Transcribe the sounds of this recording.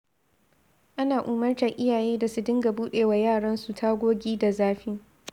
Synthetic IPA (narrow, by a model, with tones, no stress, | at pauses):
ʔa˦naː˨ʔuː˨mɐ˦rt͡ʃɐ˨ŋʔɪ˦jaː˨jeː˦da˨su˦dɪ˦ŋɡa˨buː˦ɗeː˨wa˨jaː˦˨ɽɐ˦nsu˨tʰa˦ɡʷoː˦ɡʲiː˦da˨zaː˦ɸi˦ŋ